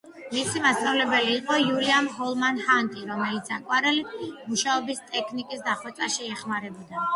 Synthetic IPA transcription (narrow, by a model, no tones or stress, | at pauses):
misimast̪sʼavlɛbɛliːqʼɔjuliamhɔlˠmanhant̪ʼiɾɔmɛlit̪sakʼwaɾɛlimuʃaɔbist̪ʼɛkʰnikʼisd̪aχwɛt̪sʼaʃiɛχmaɾɛbɔd̪a